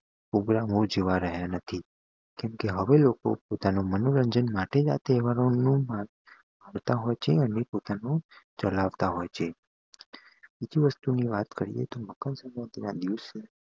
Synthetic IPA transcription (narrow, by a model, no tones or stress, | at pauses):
pɾoɡɾamod͡ʒeʋaɾəɦjanət̪ʰi | kɛmkeɦəʋeloko̰pot̪anomənoɾəɲd͡ʒənmaʈed͡ʒa̰t̪eʋaɾonũmãn | məɽt̪aɦojt͡ʃʰeənepot̪anõt͡ʃəlaʋt̪aɦojt͡ʃʰe | bid͡ʒiʋəst̪uniʋat̪kəɾḭjḛt̪oməkənsəmbad̪inad̪iʋse